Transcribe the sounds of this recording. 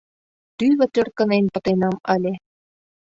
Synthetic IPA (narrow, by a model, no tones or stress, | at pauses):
t̪yβɘ̆t̪ø̆rkə̆nenpɤ̆t̪enɑmɑlʲe